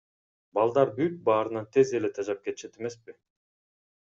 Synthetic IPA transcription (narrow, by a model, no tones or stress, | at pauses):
bɑlˠd̪ɑɾbyt̪̚bɑːɾɯnɑnt̪ʰe̞ze̞let̪ʰɑd͡ʒɑp̚ket̪ʃe̞t̪e̞me̞spɪ